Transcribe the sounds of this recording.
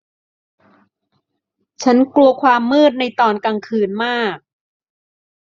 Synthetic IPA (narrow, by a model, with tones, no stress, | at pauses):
t͡ɕʰa˦˥nklu˧ɐkʰwaː˧mːɯː˥˩t̪̚na˧jt̪ɔː˧˩nka˧ŋkʰɯː˧nmaː˥˩k̚